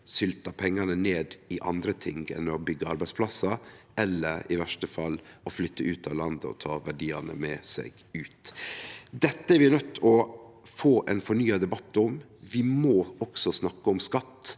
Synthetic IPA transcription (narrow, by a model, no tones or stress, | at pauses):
sʏlt̪ɑpʰɛŋːɑnəneːd̪ɪʔɑ̰nd̪ɾət̪ʰɪŋɡɛ̰nːəɔbʏɡːəɑɾbæɪspʰlɑsːɑ | ɛlːəɾɪ̰ʋæʂʈəfɑlːɔflʏt̪ːəʔʉːt̪ɑʋlɑnd̪əɔ̰t̪ʰɑːʋæɖiːɑnə̰mɛsɛ̰ɡ | ʉːt̪ | d̪ɛt̪ːəɛɾʋɪnœt̪ːɔfoːʔɛnfɔɳyːɑd̪ɛbɑt̪ːɔm | ʋɪmɔːɔksɔsnɑkːəɔmskɑt̪ː